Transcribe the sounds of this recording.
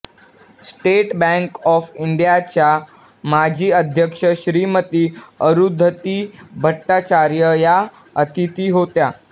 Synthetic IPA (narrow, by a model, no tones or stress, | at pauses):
sʈeʈbæ̃ŋkɔfiɳɖijat͡ɕja | mad͡ʑʱiːəd̪ʱjəkʂəɕɾiːmət̪iːəɾud̪ʱːət̪iːbʱəʈːat͡ɕaɾjəja | ət̪ʰit̪iːɦot̪ja